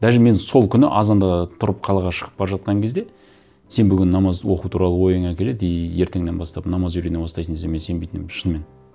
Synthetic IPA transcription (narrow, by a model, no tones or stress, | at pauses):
d̪̥æʒɪme̞nso̞lˠkʲʰʏnɪ̰ʔɑzɑnd̪ɑt̪ʰʊɾəp̚qʰɑlˠɑʁɑʃə̥ʁəp̚bɑɾɑʒɑt̪̚qɑŋkʲʰe̞zd̪e̞ | se̞nbʏɡʲɪnːɑmɑzwo̞qut̪ʰuɾɑlˠəwo̞jəɴɑkʲele̞d̪ejje̞ɾt̪e̞ŋd̪e̞nbɑst̪ɑpnɑmɑzʒʏɾenebɑst̪ɑjsənezd̪emese̞bejt̪ɪnɪmʃənme̞n